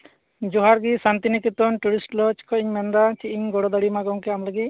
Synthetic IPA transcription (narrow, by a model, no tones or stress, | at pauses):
d͡ʒɔɦaɾɡisant̪inikit̪ɔnʈuɾisʈlɔt͡ʃkʰɔiɲmɛnd̪at͡ʃiʔiɲɡɔɽɔd̪ɔɽimaɡɔŋkɛamləɡi